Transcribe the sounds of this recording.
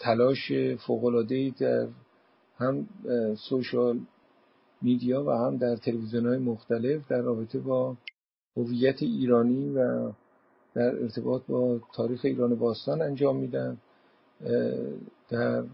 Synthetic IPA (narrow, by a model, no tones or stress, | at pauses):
t̪ʰælɒːʃefoːɣo̞lɒːd̪e̞iːd̪æɾ | hæmsoʃɒl | mid̪ijɒːvæhæmd̪æɾt̪ʰe̞levizijonhɒːjemoxt̪æle̞fd̪ærːɒːbe̞t̪ʰe̞bɒː | hovijːæt̪ʰeiːɾɒːniːvæ | d̪̥æɾe̞̰ɾt̪ʰe̞bɒːt̪̚ʰbɒːt̪ʰɒːɾiːxe̞iːɾɒːnebɒːst̪ɒːnænd͡ʒɒːmːiːd̪æn | d̪̥æɾ